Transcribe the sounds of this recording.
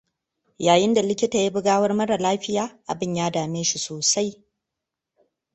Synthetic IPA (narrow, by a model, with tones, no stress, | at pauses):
jaː˨jɪ˦nda˨lɪ˦kʲɪ˦taː˨ji˦bɪ˦ɡaː˦wɐ˦rmɐ˦ɽa˨laː˦ɸɪ˦jaː˨ʔa̰˨bɪ˦ɲjaː˦daː˨meː˦ʃi˦soː˨sa˦j